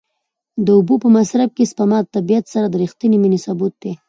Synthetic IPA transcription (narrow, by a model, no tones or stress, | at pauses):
d̪əʊbupəmasɾab̚kespamɑt̪̚t̪ːabijat̪saɾad̪əɾixt̪əniminesabut̪̚d̪e